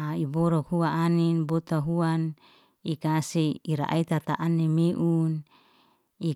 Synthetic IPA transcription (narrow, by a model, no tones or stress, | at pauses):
ibɔɾɔkhuaʔːninbot̪aɦuan | ikaseiɾa̰ʔa̰it̪at̪a̰ʔanːemeʔun | i